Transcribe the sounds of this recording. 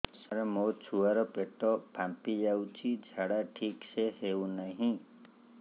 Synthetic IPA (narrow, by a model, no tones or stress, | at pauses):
saɾemot͡ʃʰuwaɾɔpeʈɔpʰampid͡ʒawt͡ʃʰid͡ʒʱaɽaʈʰiksʰeɦewnaɦĩ